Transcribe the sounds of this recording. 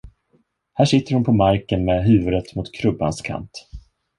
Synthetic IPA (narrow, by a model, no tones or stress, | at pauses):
hæːʂɪt̪ːəɾhʊnpʰɔmaɾkənmɛɦʉ̟ːvɵd̪ət̪mʊt̪kʰɾɵbːa̰nskʰa̰nt̪